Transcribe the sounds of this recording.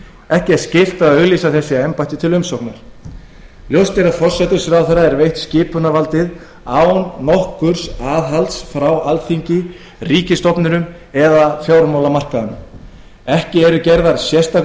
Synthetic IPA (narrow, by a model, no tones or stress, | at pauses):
ɛhcɪɛɾ̥scɪl̥t̪aðʏɣliːsaθɛsːɪɛmpajt̪ɪt̪ʰɪlʏmsowknaɾ̥ | ljowst̪ɛɾafɔr̥sɛt̪ʏ̥sɾawθɛɾːaɛɾvejht̪scɪːpʏnavalt̪ɪð | aːwnnɔhkʏɾ̥saːðɦalt̪sfɾawalt̪θiɲcɪ | riːcɪst̪ɔpnʏnʏm | ɛðafjowɾmawlamar̥kaðʏnʏm | ɛhcɪɛɾʏcɛɾðaɾ̥sjɛst̪a